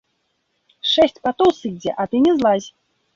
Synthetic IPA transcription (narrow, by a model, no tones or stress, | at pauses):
ʂɛsʲt͡sʲpat̪owsɨd͡zʲɛʔat̪ɨnʲɛzlˠazʲ